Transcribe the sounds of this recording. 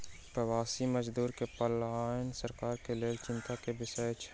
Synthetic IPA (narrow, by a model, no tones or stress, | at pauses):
pɾəʋaːsiməd͡ʒd̪uːɾkepəlaaːɪnsəɾkaːɾkeleːlt͡ʃɪ̃nt̪akebɪsəet͡ʃʰ